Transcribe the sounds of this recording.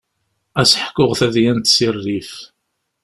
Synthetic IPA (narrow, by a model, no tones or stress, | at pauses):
æsħkːʊʁθæðjænt̪sirːif